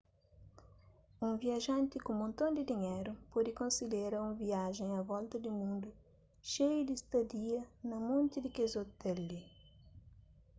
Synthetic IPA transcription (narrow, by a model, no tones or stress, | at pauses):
ũŋviɐʒɐ̃nt̪ɪkũmõnt̪õnd̪ɪd̪iɲejɾʊpɔd̪ɪkõnsileɾɐũŋviaʒẽjɐvɔlt̪ɐd̪ɪmũnd̪ʊ | ʃejud̪ist̪ɐd̪iɐnɐmõnt̪id̪ɪkezot̪ɛli